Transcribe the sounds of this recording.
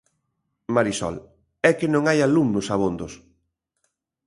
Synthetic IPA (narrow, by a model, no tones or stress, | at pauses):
maɾisɔ̰l | ɛkenõŋajalumnʊsaβond̪os